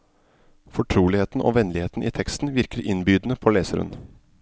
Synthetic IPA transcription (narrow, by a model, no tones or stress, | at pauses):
fɔʈʰɾuːlɪheːt̪n̩ʔo̰ːʋɛnlɪheːt̪n̩ʔḭːt̪ʰɛkst̪n̩ʋɪɾkəɾʔɪnbyːd̪n̩əpʰoːleːsəɾhʉ̰n